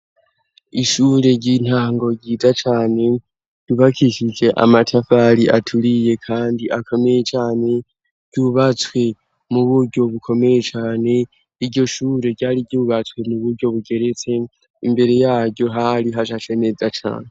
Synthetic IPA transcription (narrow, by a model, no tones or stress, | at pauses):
iʃuɾe̞ɾɟin̥haːŋɡo̞ɟiːzat͡ʃaːne̞ | d̥uβakiʃid͡ʒe̞ʔa̰matʰafaɾiʔatʰuɾije̞kʰaːndiʔakʰo̞me̞jet͡ʃaːne̞ | ɟjuβat͡swe̞ | muβuɾɟo̞βukʰo̞me̞je̞t͡ʃaːne̞ | iɾɟo̞ʃuːɾe̞ɡɟaːɾiɟuːβat͡swe̞muβuɾɟo̞βuɡe̞ɾe̞t͡se̞ | imbe̞ɾe̞jaːɾɟo̞ɦaɾiɦaʃat͡ʃene̞d͡zat͡ʃa̰ːne